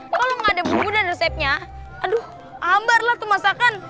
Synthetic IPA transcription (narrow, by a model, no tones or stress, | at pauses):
kalomaŋadabubudanresɛp̚ɲa | adʊh | ambarlaht̪umasakan